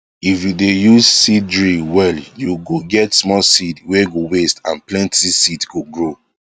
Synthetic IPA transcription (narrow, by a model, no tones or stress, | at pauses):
ifjudejuzsidɹiwɛljuɡoɡɛtsmɔsidweɡowestãnplɛ̃ntʰisidɡuɡɹo